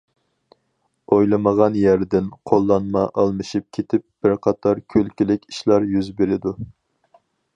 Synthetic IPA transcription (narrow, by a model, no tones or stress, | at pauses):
ojlˠɨməʁɑnjæɾd̪ɪnqʰolˠːɑnmɑʔɑlˠmɨʃip̚kʲʰet̪ʰɪp̚b̥ɪɾqʰɑt̪ʰɑɾkʲʰølkʲilɪkʲi̥ʃlˠɑɾjyzbeɾɪd̪u